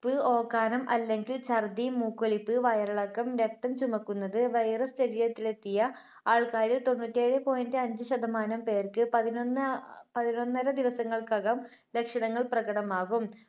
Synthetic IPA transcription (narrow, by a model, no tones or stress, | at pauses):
pːɨo̞ːkːaːnɐmʔɐlːe̞ŋɡilt͡ɕɐrd̪imuːkːolipːɨʋɐjɐɾɐɭɐkːɐmɾe̞kt̪ɐmt͡ɕumɐkːunːɐðɨʋɐjrɐst͡ɕɐɾiːjɐt̪ːile̞t̪ːijɐ | aːɭkaːɾilt̪o̞nːuːtːie̞ːɻɨpo̞ːjindɨɐɲd͡ʑɨɕɐd̪ɐmaːnɐmpe̞ːrkɨpɐðinonːpɐðinonːɐɾɐd̪iʋɐsɐŋːɐɭkɐɣɐm | le̞kʂɐɳɐŋːɐɭprɐɣɐɽɐmaːɣum